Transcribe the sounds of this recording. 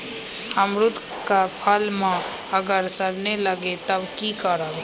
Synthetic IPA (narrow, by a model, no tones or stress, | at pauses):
əmɾut̪ | kapʰəlmẽ | əɡəɾsəɾneləɡet̪əbkikəɾəb